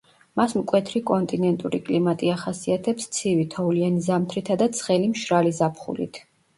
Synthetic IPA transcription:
masmkʼwɛt̪ʰɾikʼɔnt̪ʼinɛnt̪ʼuɾikʼlimat̪ʼiaχasiat̪ʰɛpst̪sʰivit̪ʰɔulianizamt̪ʰɾit̪ʰad̪at̪sʰχɛlimʃɾalizapʰχṵlḭt̪ʰ

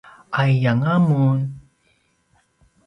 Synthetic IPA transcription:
ajjaŋamun

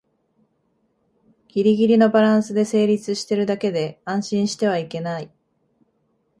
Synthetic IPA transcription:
ɡ̥ʲiɾʲiɡʲiɾʲino̞baɾãɰ̃sɨd̪e̞se̞ːɾʲit͡sɨɕi̥t̪e̞ɾɯ̟d̪ake̞d̪e̞ãɰ̃ɕĩɰ̃ɕi̥t̪e̞β̞aike̞nai

